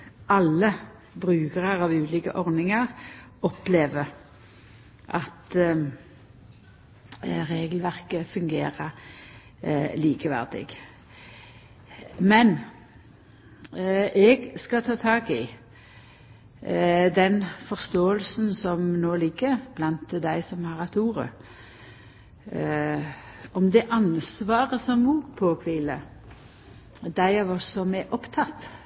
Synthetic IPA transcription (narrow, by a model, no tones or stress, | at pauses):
ɑlːə | bʁʉːɡəʁəʁɑʋʉːliːkə̰ʔɔʁnɪŋəʁɔpleːʋə | ʔɑt̪ | ʁeːɡəlʋæʁkəfʉŋɡeːʁə | liːkəʋæ̰ʁd̪ɪ̰ɡ | mɛn | ʔɛɡskɑt̪ʰɑːt̪ʰɑːɡɪ | d̪ɛnfɔʁst̪oːəlsnsɔmnoːlɪɡːəɾb̥lɑnt̪d̪æɪsɔmhɑʁɛt̪uːʁə̰ | ɔmd̪ɛʔɑnsʋɑːʁəsɔmuːpʰoːkʰʋɪlə | d̪æɪɑʋɔsɔmɛʔɔpt̪ʰɑt̪ː